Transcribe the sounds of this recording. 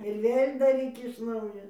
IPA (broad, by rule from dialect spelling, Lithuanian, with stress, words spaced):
ɪr ˈʋʲeːlʲ dɐˈrʲiːk ɪʃ ˈnɐʊjoː